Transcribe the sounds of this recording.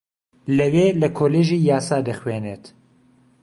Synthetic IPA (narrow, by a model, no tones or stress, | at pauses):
lɛweːlɛkʰoːleːʒiːjaːsaːd̪əxweːneːt̪